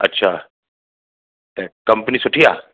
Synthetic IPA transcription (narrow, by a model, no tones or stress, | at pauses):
ɐ̰tːɕʰaː | t̪ekɐmpnisuʈʰijaː